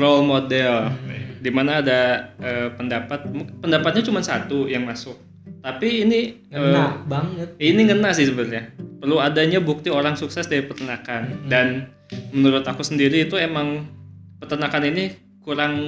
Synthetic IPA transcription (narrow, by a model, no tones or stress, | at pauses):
rolmodɛldimanaːdaʔəːpəndapat̪̚mupəndapat̪̚ɲat͡ʃumansat̪ujaŋmasʊk̚ | t̪apiːni | əbaŋət̪̚iniŋənasɪhsəbərɲapərluadaɲabuk̚t̪ioɾaŋsuksɛsdaɾipərt̪ənakandan | mənuɾʊt̪akusəndiɾiːt̪uemaŋpərt̪ənakanini | kuɾaŋ